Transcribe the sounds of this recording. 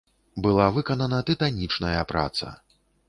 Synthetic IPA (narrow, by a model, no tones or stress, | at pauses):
bɨlˠavɨkɐnɐnɐt̪ɨt̪anʲit͡ʂnɐjɐpɾa̰t̪sɐ̰